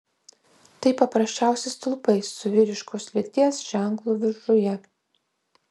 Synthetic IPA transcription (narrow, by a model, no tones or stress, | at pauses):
t̪ɐɪpɐpɾɐsʲt͡ʃʲæˑʊsʲeɪst̪ʊlˠpɐɪsːʊʋʲɪɾʲɪʃkoːslʲɪt̪ʲiɛsʒ̥ʲæˑŋklˠuːʋʲɪɾʒʊjɛ